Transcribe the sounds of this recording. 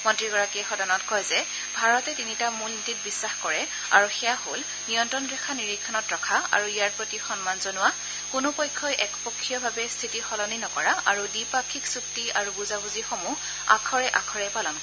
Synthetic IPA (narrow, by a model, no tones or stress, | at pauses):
mɔntɹiɡɔɹakiɛxɔdanɔtkɔjzɛ | bʱaɹɔtɛtinitamulnitit̚bisːaxkɔɹɛ | a̰ɹuxɛjahol | nijɔntɹɔnɡɹɛkʰaniɹikʰːɔnɔtɹɔkʰaa̰ɹuijaɹpɹotixɔnmanzɔnʊwa | kʊnopɔjkʰːɔjʔɛkpɔkʰːijɔbʱabɛstʰitixɔlɔninɔkɔɹaʔaɹudipakʰːiksuktiaɹubuzabuzixɔmu | a̰kʰɔɹɛʔakʰɔɹɛpalɔnk